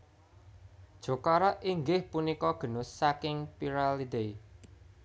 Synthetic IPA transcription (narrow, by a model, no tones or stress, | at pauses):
d̥ʒ̥o̤kaɾaʔiŋɡɪhpunikɔɡ̥ə̤nʊsakɪŋpiɾalid̪e